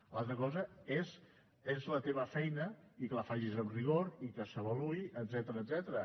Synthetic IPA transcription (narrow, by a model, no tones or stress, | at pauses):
lalˠt̪ɾəkɔzəez | ezlət̪eβ̞əfɛjnəikələfaʒizəmriɣ̞oɾikəsəβəluiʔəd̪zɛt̪əɾəːd̪zɛt̪əɾə